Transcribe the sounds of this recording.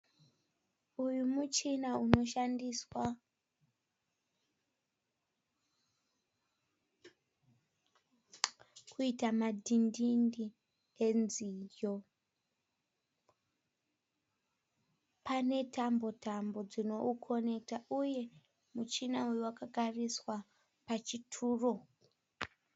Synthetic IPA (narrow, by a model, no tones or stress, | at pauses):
ujumut͡ʃinauno̞ʃandiswa | kʰuitamadʱindindi | enzijo | pane̞tʰambo̞tambo̞d͡zino̞ukʰo̞ne̞ktaʔuje̞ | mut͡ʃinaujuwakaɡʱariswa | pat͡ʃitʰuːro̞